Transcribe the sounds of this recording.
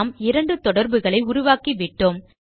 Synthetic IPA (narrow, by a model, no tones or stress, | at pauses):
mɪɾɐɳɖɯt̪ɔɽɐɾbɯɣɐɭɐɪʊɾʊʋaːkiʋɪʈːoːm